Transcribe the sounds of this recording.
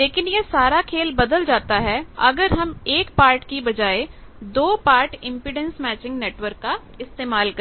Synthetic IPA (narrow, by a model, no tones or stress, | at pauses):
leːkɪnjesaːɾakʰeːlbɐd̪əld͡ʒaːt̪aɦɛɐɡəɾɦɐmeːkpaːɾʈkibɐd͡ʒaːed̪oːpaːɾʈɪ̃mpɪɖə̃nsmɛːt͡ʃɪ̃ŋɡneːʈʋəɾkːa | ɪst̪eːmaːlk